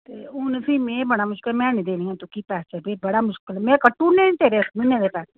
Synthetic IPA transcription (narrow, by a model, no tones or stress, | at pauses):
t̪eʊnsimẽbɐɽamʊʃkɪlmɛ̃ːnĩd̪eːnĩɛ̃t̪ukipaːst͡ʃɛbeːbɐɽamʊʃkɪlmɛ̃kəʈːunẽt̪eːɾemɪnẽɾepaːs